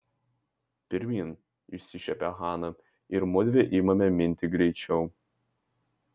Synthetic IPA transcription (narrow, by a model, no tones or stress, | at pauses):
pʲɪɾʲmʲiːn | ɪʃsʲɪʃʲɛpʲɛɣɑːnɐ | ɪɾmɔd̪ʲʋʲeʔiːmɐmʲɛmʲɪnʲt̪ʲɪɡɾʲɛɪt͡ʃʲɛʊ